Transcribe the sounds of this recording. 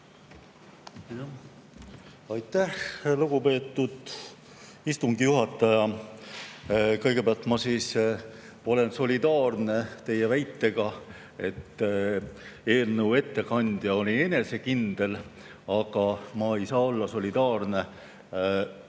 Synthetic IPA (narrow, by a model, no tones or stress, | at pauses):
ɑjt̪ːˑæhluɡ̥upe̞ːt̪ːˑud̪̥ | ist̪uŋɡijuɦɑt̪ːˑɑjɑ | kɤjɡ̥e̞pæɑlt̪ˑmɑsiːs | o̞le̞nso̞lʲid̪ɑːrne̞t̪e̞jevæjt̪ːe̞ɡ̥ɑ | e̞t̪ː | eːlnəuwe̞t̪ːe̞kɑnʲd̪̥jɑo̞lʲine̞ne̞se̞kind̪̥e̞l | ɑɡ̥ɑmɑe̞jsɑːo̞lːɑso̞lʲid̪̥ɑːrne̞